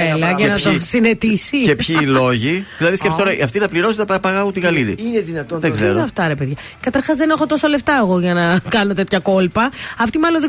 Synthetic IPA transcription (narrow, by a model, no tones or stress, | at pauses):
elɐʝɐnɐt̪osinet̪isicepçilo̞ʝiðilɐðiskʲepst̪oɐiɐft̪inɐpliɾo̞set̪ɐpɐpɐɣɐɣut̪iɣɐliɾḭineðinɐt̪onðeɡɡzeɾɐft̪ɐɾe̞peðʝɐ | kɐt̪ɐɾxɐzðenexo̞t̪o̞so̞le̞ft̪ɐeɣo̞ʝɐnɐkɐno̞t̪e̞t̪çɐko̞lpɐɐft̪imɐlonðe